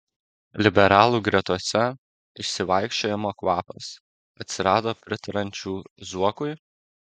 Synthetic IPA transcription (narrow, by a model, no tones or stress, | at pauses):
lʲɪbʲɛɾɑːlˠuːɡɾʲɛt̪uɔsʲɛ | ɪʃʲsʲɪʋɑɪkʃʲt͡ʃʲoːjɛmoːkʋɑːpɐs | ɐt̪ʲsʲɪɾɑːd̪oːpʲɾʲɪt̪ɐɾɐnʲt͡ʃʲuːzuɔkʊɪ